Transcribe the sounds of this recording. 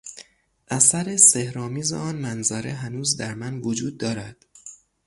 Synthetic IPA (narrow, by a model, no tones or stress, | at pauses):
ʔæsæɾe̞sehɾɒːmiːzḛɒːnmænzæɾeɦænuːzd̪æɾmænvod͡ʒuːd̪̚ːɒːɾæd̪̥